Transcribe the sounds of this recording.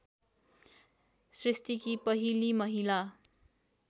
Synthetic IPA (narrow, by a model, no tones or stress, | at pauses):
srisʈikipʌɦilimʌɦila